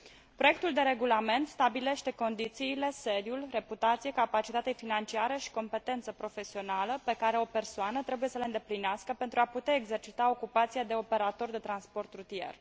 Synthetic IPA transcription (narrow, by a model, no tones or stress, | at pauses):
pɾo̞je̞kt̪uld̪e̞ɾe̞ɡulame̞nt̪st̪abile̞ʃt̪e̞ko̞nd̪it̪siːle̞se̞d̪julre̞put̪at̪sijekapat͡ʃit̪at̪e̞finant͡ʃiaɾəʃi̥ko̞mpe̞t̪e̞nt̪səpɾo̞fe̞sio̞naləpe̞kaɾe̞o̞pe̞rsoanət̪ɾe̞buje̞səleɨnd̪e̞plineaskəpe̞nt̪ɾuaput̪eaeɡze̞rt͡ʃit̪ao̞kupat̪siad̪e̞o̞pe̞ɾat̪o̞rd̪e̞t̪ɾanspo̞rt̪ɾut̪ije̞̰r